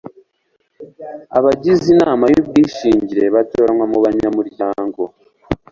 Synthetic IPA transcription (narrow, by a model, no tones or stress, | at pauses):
aβaɟizinaːmajubɡiːʃiːɲɟiɾe̞βato̞ːɾanwamuβaɲamuɾɟaːŋɡo̞